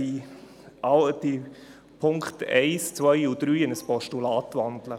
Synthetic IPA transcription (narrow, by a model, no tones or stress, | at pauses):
i | ʔɑlti | pʰʊŋktɛ̰ɪst͡svœjud̥̪ɾyːɪnəspɔʃtulaːtvandlə